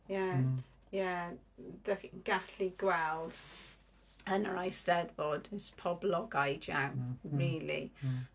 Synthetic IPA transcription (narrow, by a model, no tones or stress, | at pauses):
ja | ja | dəɡ̥aɬiɡwɛlˠd̥ | ənəɹajstɛdbɔd̥spʰɔblɔɡajd͡ʒawɹiːlḭ